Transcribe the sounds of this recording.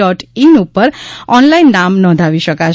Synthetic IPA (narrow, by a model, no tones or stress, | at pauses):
ɔʈinupːəɾɔnlainːamnɔ̃d̪ʱaʋiʃəkat͡ʃʰ